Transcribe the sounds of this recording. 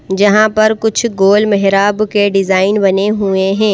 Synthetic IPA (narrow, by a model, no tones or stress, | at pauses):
d͡ʒɐɦãpɐɾkʊt͡ʃʰɡoːlmɛɦɾaːbkeɖɪzaːɪnbɐneɦueɦɛ̃ː